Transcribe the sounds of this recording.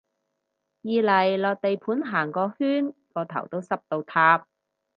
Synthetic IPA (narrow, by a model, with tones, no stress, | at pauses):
jiː˨˧lɐ˨˩jlɔː˨˧k̚t̪e˨jpʰuː˨˥nɦaː˨˩ŋkɔː˧hyː˥nkɔː˧t̪ʰɐ̰˨˩wt̪o˥wsɐ˥p̚t̪o˧wt̪ʰaː˧p̚